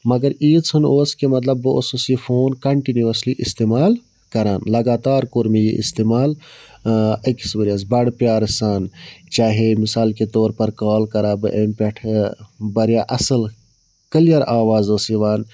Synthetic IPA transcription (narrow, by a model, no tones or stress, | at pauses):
mɐɡɐɾiːt͡sʰɨnoːskemɐt̪lɐbːɨo̰ːsoːsifʰoːnkɐɳʈinjuɐsliʔist̪eːmaːl | kɐɾaːnlɐɡaːt̪aːɾkoːɾmejḛʔḭst̪eːmaːl | ɐki̥sbɐɾiaːsbɐɽpjaːɾsaːnt͡ʃaːɦemisaːlket̪oːɾpɐɾkaːlkɐɾaːbɨʔempʲɐʈʰbɐɾjaːʔɐsəl | kəlijɐɾaːʋaːzosiʋaːn